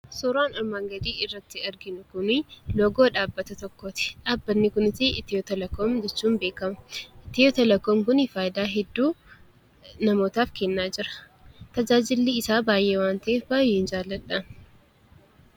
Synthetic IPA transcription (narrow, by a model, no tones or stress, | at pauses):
sɔɾaːnɔɾmaːŋɡɐd̪iːɪrːɐt̪ːɪɐɾɡɪnʊkʊnɪlɔɡo̞ːᶑaːbːɐt̪ɐt̪ɔkːoːt̪ɪ̥ᶑaːbːɐnːɪkʊnɪtɪʔɪt̪ːɪjoːt̪ɐlɐkːoːmd͡ʒɛt͡ʃːuːmbe̞ːkɐmɐʔɪt̪ːɪjoːt̪ɐlɐkːomkʊnɪfaːjɪd̪aːɦɛd̪ːuː | nɐmo̞ːt̪aːfkɛnːaːd͡ʒɪɾɐ̥ | t̪ɐd͡ʒaːd͡ʒɪlːiɪsaːbaːjʔeːwaːnt̪ɐʔeːfbaːjeːɪnd͡ʒaːlːɐᶑɐ